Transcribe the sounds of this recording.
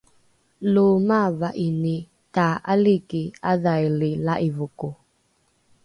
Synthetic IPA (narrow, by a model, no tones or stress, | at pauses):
lʊmavaʔini | taʔalikiaðajlɪlaʔivʊkʊ